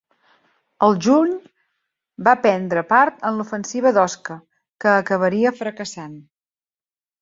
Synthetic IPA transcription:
əlˠʒuɲ | bapɛnd̪ɾəpaɾt̪ənlufənsiβ̞əðɔskə | kəːkəβ̞əɾiəfɾəkəsan

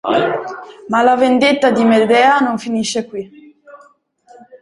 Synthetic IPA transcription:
malavend̪et̪ːad̪imed̪ɛːanoɱfiniʃːekwi

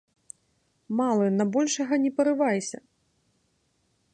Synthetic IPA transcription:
malˠɐnɐbɔlʲʂɐɣɐnʲɛpɐɾɨvajsʲɐ̰

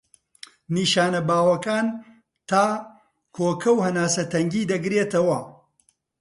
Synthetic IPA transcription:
niːʃaːnɐbaːwɐkaːn | t̪ʰaː | kʰoːkʰɐwhɐnaːsɐt̪ɐŋɡiːd̪ɐɡɾeːt̪ɐwɐ

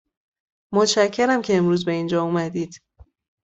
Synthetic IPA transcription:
mot̪ʃæcʰːeɾæmcʰe̞ːmɾuːzbe̞ind͡ʒɒːumæd̪iːd̪̥

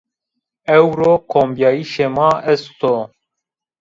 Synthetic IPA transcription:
ɛwɾoːkʰoːmbjaːiʃemɑːʔɛst̪oː

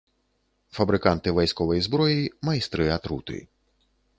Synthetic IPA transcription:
fɐbɾɪkɑnt̪ɪʋɐjsʲkɔʋɔjizbɾɔjimɐist̪ɾɪɐt̪ɾut̪ɪ̰

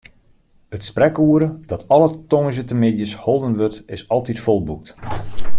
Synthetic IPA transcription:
ətsprɛkuːəɾəd̥ɔtʰɔlˠətoŋəʒətəmɪdjəsholˠdənʋøtɪsɑlˠtitfolˠbuk̚t

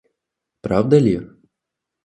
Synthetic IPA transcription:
pɾawd̪ɐlʲi

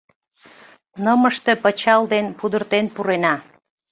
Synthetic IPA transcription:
nəməʃt̪e̽pət͡ɕɑld̪enpud̪ərt̪enpuɾenɑ

